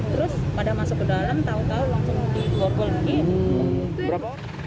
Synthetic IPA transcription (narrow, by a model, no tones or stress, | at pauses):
t̪əɾʊspadamasʊkədalant̪aʊnt̪aɦʊnlaŋsʊŋdiɔkɔlaɡi | bəɾapa